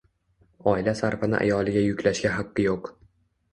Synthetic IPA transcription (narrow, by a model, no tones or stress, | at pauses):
ɒɪlasaɾfɪnɪ̰ʔa̰jɒlˠɪɡʲajʊkʲlaʃɡʲaɦaqːɨjoq